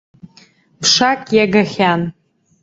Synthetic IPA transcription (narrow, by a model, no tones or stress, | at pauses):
pʰʂakʼjaɡaχʲan